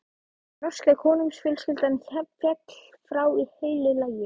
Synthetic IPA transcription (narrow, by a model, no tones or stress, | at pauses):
nɔr̥sklakʰɔːnʏmsfjɪlskɪlt̪ançɛpfjɛt̪l̥ | fɾaːwiheːjlɪlajɪ